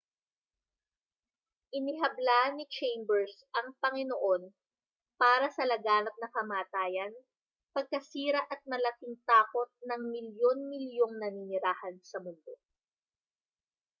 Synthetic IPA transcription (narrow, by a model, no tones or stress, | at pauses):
ʔɪnɪɦɐblaʔɐnːɪt͡ʃejmbɛɹsʔɐŋpɐŋɪnoʔo̞n | paːɾɐsɐlɐɡaːnɐp̚nɐkɐmaːt̪aːjɐn | pɐɡ̚kɐsiːɾɐʔɐt̪̚mɐlɐkɪŋt̪aːko̞t̪̚nɐŋmɪljo̞nmɪljo̞ŋnɐninɪɾaːhɐnsɐmʊnd̪o̞